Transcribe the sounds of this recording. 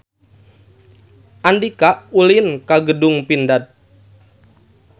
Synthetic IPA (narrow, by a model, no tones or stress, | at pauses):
ʔandikaʔulinkaɡədʊŋpindat̪̚